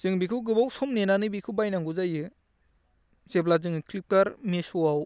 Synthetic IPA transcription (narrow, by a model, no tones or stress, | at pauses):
z̥ɯŋbikʰɯwɡɯbawsɔmnenanɯbikʰɯbajnaŋɡuzajɯ | z̥eblazɯŋklip̚taɾmesuaw